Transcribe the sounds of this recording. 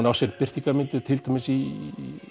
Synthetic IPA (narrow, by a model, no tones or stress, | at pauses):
nawsɛɾpɪr̥t̪iŋkamɪnt̪ɪt̪ʰɪlt̪ʰahmɪsi